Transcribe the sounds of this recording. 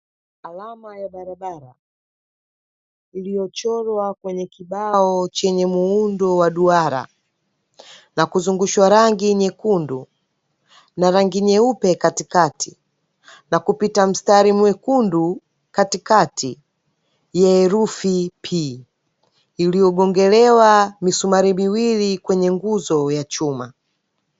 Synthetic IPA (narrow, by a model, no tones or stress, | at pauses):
alamajaɓaɾaɓaɾa | ilijɔt͡ʃɔlwakwɛɲɛkiɓaɔt͡ʃɛɲɛmuundɔwaɗuaɾa̰ | nakuzuŋɡuʃwaɾaŋɡiɲɛkundu | naɾaŋɡiɲɛupɛkatikati | nakupitam̩staɾimwɛkundu | katikatʰi | jaɛɾufipʰi | ilijɔɡɔŋɡɛlɛwamisumaɾimiwilikwɛɲɛŋɡuzɔjat͡ʃuma̰